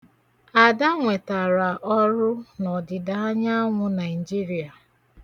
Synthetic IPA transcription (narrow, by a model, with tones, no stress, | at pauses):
a˨da˦ŋʷe˨ta˨ɾa˨ʔɔ˦ɾʊ˦nɔ˨dɪ˨da˨a˦ɲa˦ŋʷʊ˦na˨i˨d͡ʒi˦ɾi˨a˨